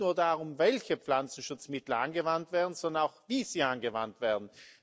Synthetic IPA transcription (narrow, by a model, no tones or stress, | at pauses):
nuːɐdaːʁʊmvɛlçəpflant͡sn̩ʃʊt͡smɪtl̩anɡəvantv̥ɛːɐdn̩zɔndɐnaʊxv̥iːz̥iːanɡəva̰ntv̥ɛːɐdn̩